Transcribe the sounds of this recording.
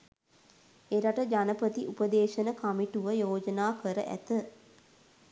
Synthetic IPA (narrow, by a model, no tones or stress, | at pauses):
eɾaʈəd͡ʒanəpət̪iʔupəd̪eːʃənəkamiʈuʋəjoːd͡ʒənaːkəɾəʔæ̰t̪ə